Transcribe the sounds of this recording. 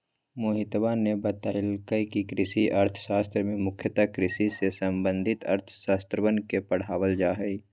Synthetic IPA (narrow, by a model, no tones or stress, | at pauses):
moːɦɪt̪banebət̪aːɪlkəikikɾɪsiʔɐɾt̪ʰʃaːst̪ɾəmẽmʊkʰjət̪akɾɪsisesəmbə̃nd̪ʱɪt̪ɐ̰ɾt̪ʰʃaːst̪ɾəbənkepəɽ̤aːʋəld͡ʒaːɦɛi